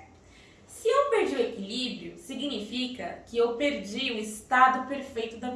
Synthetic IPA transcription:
sɪewpeɾd͡ʒiwekilibɾiʊsiɡinifikɐkɪewpeɾd͡ʒiʊist̪ad̪ʊpeɾfejt̪ʊd̪ɐm

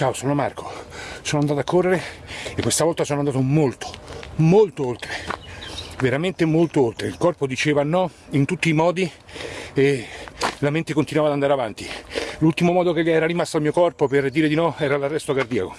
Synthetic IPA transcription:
t͡ʃaosoːnoma̰rko̥soːnoand̪aːt̪akʰːorːeɾeekwest̪avɔlt̪asoːnoand̪aːt̪omolt̪o̥molt̪oolt̪ɾe | veɾament̪emolt̪oolt̪ɾeilkɔrpod̪it͡ʃeːvanɔint̪ut̪ːiːmɔːd̪i | e | lament̪ekont̪inwavad̪and̪aɾeavant̪ilult̪imomɔːd̪okeʎɛːɾarimast̪oalmiːokɔrpoperd̪iːɾed̪inɔɛːɾalarːɛst̪okard̪iako

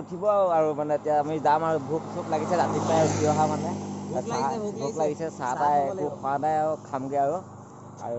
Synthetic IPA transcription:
utʰibɔaʊaɹumanɛtijaamizamaɹubʱuksɔplaɡisɛzatikaaɹbiɔɦamanɛasabʱutlaɡisɛsatajɛkukʰɔadajaɹukʰamɡojaɹu | a̰ɹu

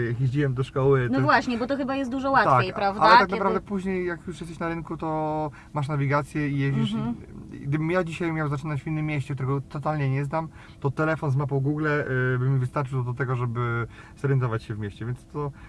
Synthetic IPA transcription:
jakjeʑd͡ʑiwɛmd̪ɔʂkɔwɘt̪nvwaɕɲɛbɔt̪ɔxɘbajɛst̪d̪uʐɔwat̪akʲejɾavdalaɛt̪aknapɾavd̪ɛpuʑɲejːakjuʂjɛst̪ɛɕnaɾɘnkut̪ɔ | maʂnavʲiɡat̪sʲjɛijed͡ʑiʂ | ɡd̪ɘbɘmjad͡ʑiɕajmʲjawzat͡ʂɘnat͡ɕvʲinːɘmːʲjeɕt͡ɕɛkt̪uɾɛɡɔt̪ɔt̪alɲɛɲɛznam | t̪ɔt̪ɛlɛfɔnzmap̬ɔwɡuɡlɛbɘmʲːivɘst̪aɾt͡ʂɨwd̪ɔt̪ɛɡɔʐɛbɘ | zɔɾjɛnt̪ɔvat͡ɕɕɛvmʲjeɕt͡ɕɛvʲjɛntst̪ɔ

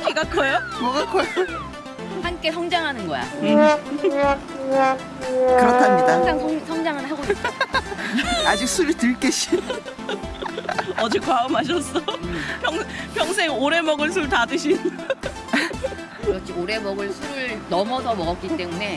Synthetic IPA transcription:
keɡakʰʌjomʌɡak͈ʰʌ | hank͈e̞sʰʌŋd͡ʑaŋɦanɯnɡʌja̰ | kɯɾʌtʰamɲidad͡ʑaŋsʰʌŋsʰʌŋd͡ʑaŋɯnɦaɡoik͈ | ad͡ʑik̚sʰuɾɯɭtɯɭk͈eɕʰi | ʌd͡ʑik͈waɯmɦaɕ̬ʰʌs͈ʌpʰjʌŋpjʌŋs̬ʰe̞ŋoɾe̞mʌɡɯɭs̬ʰuɾɯɭtadɯɕʰin | ɾʌt͡ɕ͈ʰioɾe̞mʌɡɯɭsʰuɾɯɭnʌmʌdʌmʌɣʌk͈it͈e̞mune̞

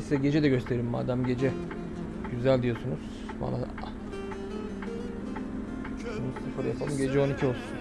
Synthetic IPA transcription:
sɛɟe̞d͡ʒɛd̪ɛɟø̞st̪ʰe̞ɾiɾimːa̰ːd̪æmɟe̞d͡ʒɛ | ɟyzælʲd̪ijo̞sunuz̥ | ba̰nːˠa | unusɯfɯɾjapʰalˠɯmɟe̞d͡ʒɛo̞nicʰio̞lˠsun

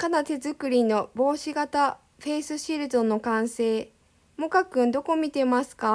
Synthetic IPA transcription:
kanat̪e̞zɨkɯ̟ɾʲino̞bo̞ːɕiɡat̪a | ɸe̞ːsɨɕiɾɯ̟d̪o̞no̞kãɰ̃se̞ː | mo̞kakɯ̟̃nd̪o̞ko̞mʲit̪e̞masɨ̥ka

